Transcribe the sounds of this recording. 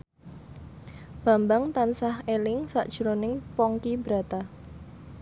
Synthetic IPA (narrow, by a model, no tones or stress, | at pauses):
b̥a̤mbaŋt̪ansahelɪŋsa̰ʔd̥ʒ̥uɾonɪŋpɔŋkibəɾa̤t̪a